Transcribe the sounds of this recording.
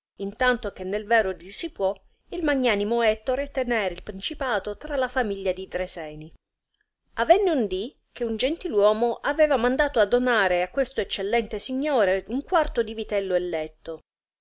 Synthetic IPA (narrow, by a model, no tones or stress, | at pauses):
int̪ant̪ok̟enːelvɛːɾod̪isipwɔ | ilmaɲːaːnimoɛt̪ːoɾet̪enɛːɾeilpɾint͡ʃipaːt̪ot̪ɾalafamiʎːad̪id̪ɾesɛːni | avɛnːeund̪i | k̟eund͡ʒent̪ilwɔːmoʔavɛːvamand̪aːt̪oad̪ːonaːɾeakːwest̪oet͡ʃːelːɛnt̪esiɲːoːɾeuŋkwart̪od̪ivit̪ɛlːoelːɛt̪ːo